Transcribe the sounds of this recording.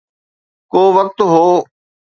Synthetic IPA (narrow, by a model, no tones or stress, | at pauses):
koːʋək̚t̪ɦoː